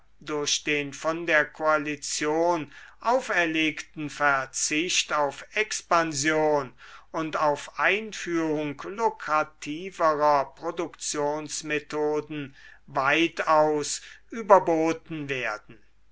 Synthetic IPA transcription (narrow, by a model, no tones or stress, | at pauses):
dʊɐɕd̥eːnfɔndeːɐkʰoalit͡sjoːnʔaʊfɛɐleːktn̩fɛɐt͡sɪʃtaʊfɛkspanzjoːnʊntaʊfʔaɪnfyːʁʊŋklokʁ̥atʰiːvəʁɐpʁ̥odʊkt͡sjoːnsmetʰoːdn̩vaɪtaʊsʔyːbɐboːtn̩veːɐdn̩